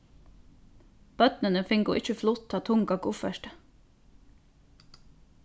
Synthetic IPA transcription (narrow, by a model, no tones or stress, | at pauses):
b̥œt̪nənəfɪŋɡuːʔɪçəflʊt̪ʰtɑːt̪ʰʊŋɡɑɡʊfəʃʈə